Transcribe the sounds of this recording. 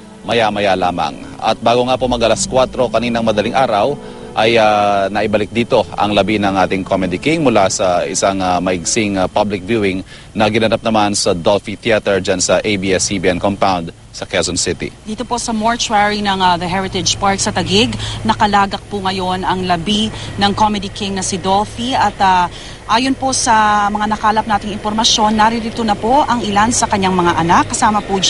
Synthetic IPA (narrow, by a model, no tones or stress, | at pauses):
mɐjamɐjalaːmɐ̰ŋɐ̰t̪̚baːɡoŋaːpomɐɡʔɐlɐskwat̪ɾo̞kɐniːnɐŋmɐd̪ɐlɪŋʔaːɾɐw | ʔɐjanɐʔɪbɐlɪk̚d̪iːt̪o̞ʔɐ̰ŋlɐbinɐŋʔaːt̪ɪŋkomɛd̪ikiŋmʊlasɐʔɪsaŋamɐʔɪɡsɪŋpablɪk̚vjuɪŋ | nɐɡɪnɐnap̚nɐmansɐd̪olfit̪iat̪ɛɹd͡ʒansɐʔejbiːʔɛsibiʔɛnkompawnd̪ | sɐkɛsɔnsɪt̪ḭd̪iːt̪o̞po̞sɐmoɹt͡ʃwɛɹɪŋnɐŋaðɐɦɛɹɪt̪ɛd͡ʒpaɹksɐt̪ɐɡɪɡnɐkɐlaːɡɐk̚pʊŋɐjo̞nɐŋlɐbinɐŋkomɛd̪ikɪŋnɐsid̪o̞lfiʔɐt̪a | ʔaːjonpo̞sɐmɐŋanɐkaːlɐp̚naːt̪ɪŋɪnpoɾmɐʃjo̞nːɐɾiɾit̪onɐpo̞ʔɐŋɪlansɐkɐɲːaŋmɐŋaʔɐnakːɐsaːmɐpud͡ʒ